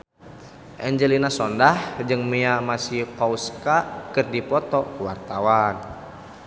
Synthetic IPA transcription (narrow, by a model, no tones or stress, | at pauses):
ʔɛɲd͡ʒɛlinasɔndahd͡ʒɨŋmiamasihkɔuskakɨrdipɔt̪ɔkwart̪awan